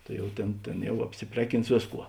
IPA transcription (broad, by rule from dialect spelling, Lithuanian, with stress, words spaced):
ˈtɐɪ jɛʊ tʲeːn ˈtʲeːn ˈjɛʊ ɐpʲsʲɪˈpʲrʲæːˌkʲɪns ˈʋʲeːsˌkuɔ